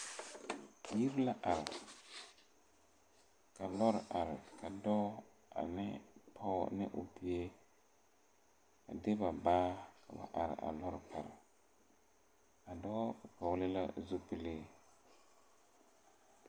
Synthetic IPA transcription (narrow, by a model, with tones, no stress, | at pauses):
ji˦ɾla˦ʔa˨ɾɪ˨ | ka˨lɔ˦ɾɪ˨ʔa˨ɾɪ˨kʰa˨dɔː˦ | a̰˨nɪ˦pʰɔ˦nɪ̰˦ʔʊ˨pi˨e˦ | a̰˨de˦ba˨baː˦kʰa˨ba̰˨ʔa˨ɾɪ̰˨ʔa̰˨lɔ˦ɾɪ˨pa˨ɾɪ̰˨ | a˨dɔ˦pɔ˨ɣlɪ˦la̰˦zo˦pɪ˦le˦